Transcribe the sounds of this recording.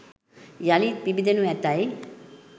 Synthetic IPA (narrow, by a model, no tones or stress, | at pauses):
jalipibid̪enuɛt̪aj